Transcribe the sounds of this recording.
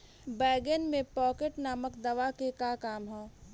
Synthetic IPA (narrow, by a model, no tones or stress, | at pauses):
bɛːɡenmẽpɔːkeʈnaːməkd̪ɐʋakekaːkaːmɦõː